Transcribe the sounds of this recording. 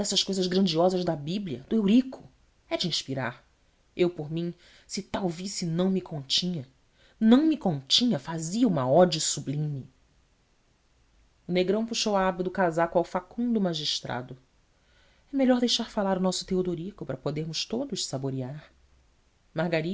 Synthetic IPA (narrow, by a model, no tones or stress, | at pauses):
d̪ɛsɐʃkojzɐzɡɾɐ̃nd͡ʒiɔzɐzd̪ɐbibliɐ̰d̪ʊewɾikʰʊ̥ | ɛd͡ʒɪĩʃpiɾa̰ɾ | ewpoɾmĩ | sɪt̪awvisinɐ̃w̃mikʰõt͡ʃĩɲɐ | nɐ̃w̃mikõt͡ʃĩɲɐfaziɐũmɐɔd͡ʒɐsublĩmi | ʊneɡɾɐ̃w̃puʃowɐabɐd̪ʊkazakawfakũd̪ʊmaʒiʃt̪ɾʔa̰d̪ʊ | ɛmeʎɔɾd̪ejʃaɾfalaɾʊnɔsʊ̥t̪eod̪oɾikʊpɾɐpod̪eɾmʊʃt̪od̪ʊʃsaboɾiaɾ | mahɡaɾi